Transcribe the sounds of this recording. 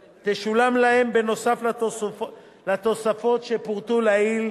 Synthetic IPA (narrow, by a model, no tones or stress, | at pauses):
t̪eʃulamlahe̞mbe̞no̞safl | lat̪o̞safo̞t̪ʃepuʁt̪ulail